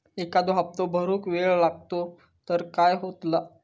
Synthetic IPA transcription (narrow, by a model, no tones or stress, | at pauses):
ekad̪oɦap̚t̪obʱəɾuːkʋeɭlaɡ̚t̪o | t̪əɾkajɦot̪la